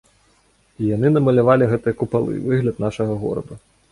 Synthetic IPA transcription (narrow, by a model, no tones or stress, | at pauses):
ijan̪ɨnɐmɐlʲavalʲiɣɛt̪ɨjɐkupalˠɨ̰jvɨɣlʲɐt̪̚naʂɐɣɐɣɔ̰ɾɐ̰d̪u